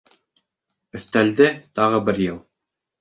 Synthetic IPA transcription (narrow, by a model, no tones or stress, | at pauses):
ɵ̆θt̪æld̪ɘt̪ɑʁɤbɘɾjɤlˠ